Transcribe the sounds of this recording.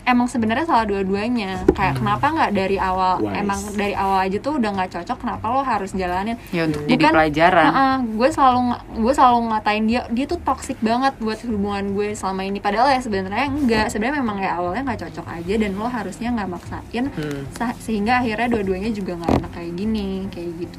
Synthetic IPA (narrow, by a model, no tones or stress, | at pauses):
emaŋsəbənərɲasalahduaduaɲakaja̰ʔkənapaŋɡaʔdaɾiʔawalemaŋdaɾiʔawalad͡ʒat̪uudahŋɡaʔt͡ʃɔt͡ʃɔkːənapaloɦaɾʊsd͡ʒalanɪnjaunt̪ʊ̥k̚budikanpəlad͡ʒaɾaaʔəɡuɛsəlaluŋaɡuɛsəlaluŋat̪aɪndiadiat̪ut̪ɔksɪk̚baŋət̪̚buat̪̚hubuŋanɡuɛsəlamainipadaaljasəbənt̪aɾɲaəŋɡaʔsəbənmemaŋkajaʔːwalɲaŋɡaʔt͡ʃɔt͡ʃɔka̰d͡ʒadanlɔɦaɾusɲaŋɡaʔmaksa̰ʔɪnssəɦiŋɡaːɦirɲaduaduaɲad͡ʒuɡaŋɡaʔḛnakːajaʔɡinikajaʔɡit̪u̥